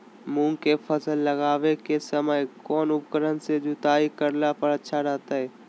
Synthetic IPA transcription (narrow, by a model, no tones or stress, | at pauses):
mũːŋkepʰəsəlːəɡaːʋekesəməjkɔːnʊp̚kəɾənsed͡ʒʊt̪aːikəɾlapəɾətːʃʰaɾɛɦt̪aɦɛː